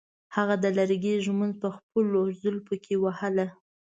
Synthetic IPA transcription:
haɣad̪əlaɾɡeʒmund̪̚pəxpəlːozəlpəkʰewahəla

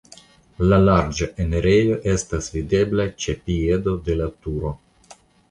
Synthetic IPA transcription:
lalaɾd͡ʒaʔeneɾejo̞ʔe̞stasvide̞blat͡ʃe̞pie̞do̞de̞latuɾo̞

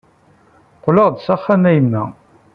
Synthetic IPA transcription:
qləʁd̪sæχːæmæjəmːæ̰

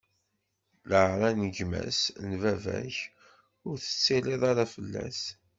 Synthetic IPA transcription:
ləʕɾˤænəɡmæ̰snvævæ̰ç | ʊɾθə̥t͡sːileðˤɑɾafəlːæ̰s

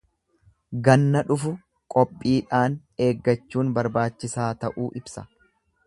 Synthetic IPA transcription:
ɡɐnːɐᶑʊfʊ | kʼɔpʼːiːᶑaːn | e̞ːɡːɐt͡ʃːuːnbɐɾbaːt͡ʃːɪsaːt̪ɐʔuːʔɪbsɐ̥

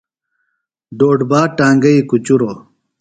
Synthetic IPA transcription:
ɖoːɖbaːʈaːŋɡɐikut͡ɕuɾoː

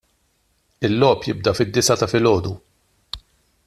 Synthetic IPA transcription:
ɪlːɔːpjɪb̚d̪ɐfɪd̪ːɪsɐt̪ɐfɪlɔːd̪u

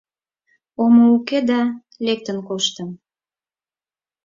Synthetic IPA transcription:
omouked̪ɑ | lek̚t̪ənkoʃt̪əm

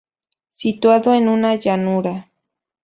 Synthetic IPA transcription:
sit̪waðoenʊnajanʊɾa

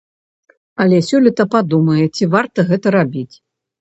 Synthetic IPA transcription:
ɐlʲɛsʲɔlʲɐt̪ɐpad̪umɐjɛt͡sʲivart̪ɐɣɛt̪ɐɾabʲit͡sʲ

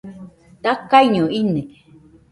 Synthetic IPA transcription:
t̪akːajɲoinek

